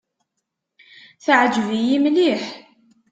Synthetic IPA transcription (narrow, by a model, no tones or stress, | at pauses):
θʕd͡ʒvijimliħ